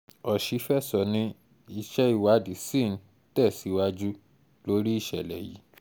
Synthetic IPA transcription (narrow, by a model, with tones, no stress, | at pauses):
ɔ˨ʃi˨˦fɛ˦˨sɔ˨nĩ˧˦ | i˧ʃɛ˦i˦˧˨wa˨˦di˨˦sĩ˦˨n̩˨˦ | tɛ˦˨si˨˦wa˦d͡ʒu˦ | lo˦ɾi˦i˦˨ʃɛ˨lɛ̰˨jḭ˨˦